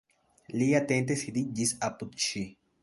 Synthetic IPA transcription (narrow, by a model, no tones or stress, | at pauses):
lijat̪ent̪̬esid̪id͡ʒisap̚t̪ut̪t͡ʃi